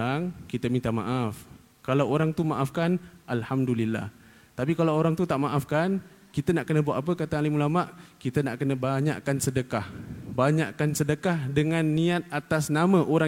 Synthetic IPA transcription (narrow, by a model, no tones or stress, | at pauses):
aŋkit̪əmĩnt̪ama̰ʔaf | kalawoɾaŋt̪umaʔafkanʔalhamdulilːa̰h | t̪apikalawoɾaŋt̪ut̪aʔmaʔafkan | kit̪ənaʔkənəbuaʔap̬əkat̪aŋalimulamaʔkit̪ənaʔkənabaɲa̰ʔkansədəkahbaɲa̰ʔkansədəkahdəŋãnːiat̪̚at̪asnamə̃ʔoɾa